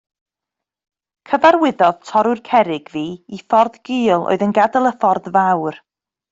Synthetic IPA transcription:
kʰəvaɾwɪðɔð̥tʰɔɾʊrkʰɛɾɪɡ̥viːifɔrðɡ̥iːlˠʔo̰ːɨðənɡadəlˠəfɔrðvawr

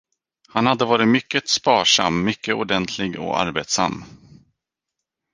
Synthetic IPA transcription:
hanhad̪ːəvɑːɾɪtmʏkːət̪spɑːʂa̰mːʏkːəʊɖɛnt̪ʰlɪɡɔ̰a̰ɾbeːt̪sa̰mː

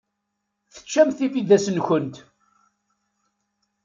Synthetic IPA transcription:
θə̥t͡ʃːæmθifiðæsənçənt̪

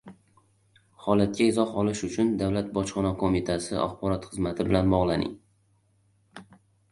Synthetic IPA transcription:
hɒlat̪̚kʲaɪzɒhɒlɪʃʊt͡ʃʰʊnd̪avlat̪̚bɒt͡ʃχɒnɒkʰomit̪ʰasɪa̰χbɒɾɒt̪χɨzmat̪ʰɪbɪlanbɒʁlˠanɪ̰ŋ

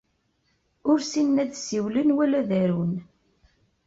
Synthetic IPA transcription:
ʊɾsinːæðsiwlənwælæðæɾun

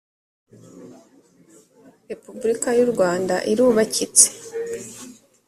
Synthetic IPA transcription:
ɾe̞pubuɾikajuɾɡwaːnda̰ʔiɾuːβacit͡se̥

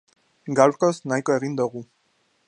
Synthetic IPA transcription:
ɡalkʼɔsnajkʼwɛʁind̪ɔʁu

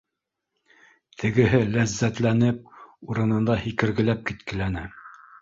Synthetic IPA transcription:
t̪ʰɘ̆ɡɘ̆ɦɘlæzːæt̪lænɘp̚uɾɤ̆nɤ̆nd̪ɑhikɘ̆ɾɡɘ̆læp̚kit̪kɘ̆lænɘ

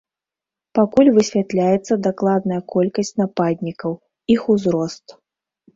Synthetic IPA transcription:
pakulʲvɨsʲvʲat̪lʲajɛt̪sːɐd̪aklˠad̪nɐjɐkɔlʲkɐsʲt͡sʲnapad̪ʲnʲikɐw | ixuzɾɔst̪

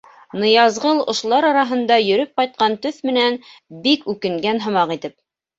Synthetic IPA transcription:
nɤ̆jɑzʁɤlˠŏʃlˠɑɾɑɾɑɦɤ̆nd̪ɑjɵ̆ɾɵp̚qɑjt̪̚qɑnt̪ɵθmɘ̆nænbikʉkɘ̆ŋɡænɦɤ̆mɑqit̪ɘp̚

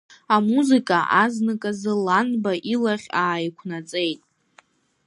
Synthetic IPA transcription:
amuzɨkʼaʔaznɨkʼazɨlanbaʔilaχʲaːjkʷʰnat͡sʼe̞jtʼ

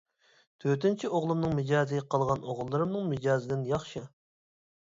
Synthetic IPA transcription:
t̪ʰøt̪ɪnt͡ʃʰiʔoʁlˠumnɨŋmɪd͡ʒɑːzɨqʰəlˠʁɑnʔoʁlˠːɨɾɨmnɨŋmɪd͡ʒɑːzɪd̪ɪnjɑχʃɨ

